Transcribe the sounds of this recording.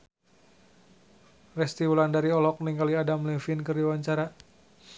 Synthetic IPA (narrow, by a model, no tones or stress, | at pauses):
rɛst̪iwulandaɾiɔlɔk̚niŋɡaliadamlɛfinkərdiwaɲt͡ʃaɾa